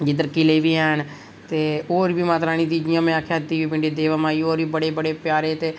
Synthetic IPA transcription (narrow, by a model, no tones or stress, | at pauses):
d͡ʒɪd̪əɾkɪleːʋiːɛːn | t̪eːoːɾbiːmaːt̪ɾaːnĩːt̪iːd͡ʒɪjãːmɛ̃ːaːkʰeɦət̪ːiːʋiːpɪ̃ɳɖeːd̪eːʋamãːiːoːɾiːbəɽeːbəɽeːpjaːɾeːt̪eː